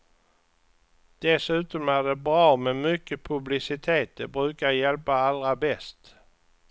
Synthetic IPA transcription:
d̪̥ɛsʉ̟ːt̪ɔmæɖɛbɾɑːmɛmʏkːəpʰɵblɪsɪt̪ʰeːt̪̚d̪ɛbɾʉ̟ːkajɛlpaalːɾabɛst̪

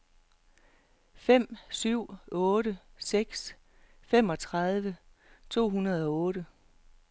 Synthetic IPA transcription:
fem̰syʊ̰ɔ̽ːɾəseɡ̥s | fem̰ɒ̽t͡sʰʁɑð̞ˠʋə | t͡sʰo̝̰ːɦunɐð̞ˠɒ̽ɔ̽ːɾə

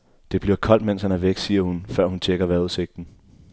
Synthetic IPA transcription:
d̥e̝b̥liɐkʰɒ̽l̰d̥men̰shænæɐʋeɡ̥siːɐhunfɶɐ̰hunt͡sʰeɡ̥ɐʋæɐuðˠse̝ɡ̥̚d̥n̩

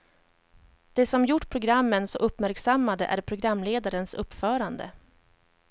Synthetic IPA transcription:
d̪̥ɛsɔmjʊʈːpʰɾʊɡɾamːənsɔʔɵpːmæɾksamːad̪ə̰ʔæ̰ɾpʰɾʊɡɾamːleːd̪aɾənsɵ̰pːfœːɾand̪ə̰

